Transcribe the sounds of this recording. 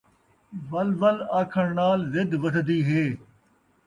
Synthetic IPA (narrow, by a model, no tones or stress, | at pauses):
ʋɐlʋəlaːkʰəɳnaːlzɪd̪ʋədd̪iːɦeː